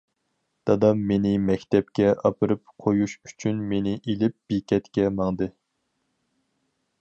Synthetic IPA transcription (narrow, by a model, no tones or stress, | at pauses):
d̪̥ɑd̪ɑmːenɪmɛkʲt̪ɛp̚kʲɛʔɑpʰɨɾɨp̚qʰojuʃy̥t͡ʃʰynmenɪʔilɪp̚b̥ikʲɛt̪kʲɛmɑŋd̪ɨ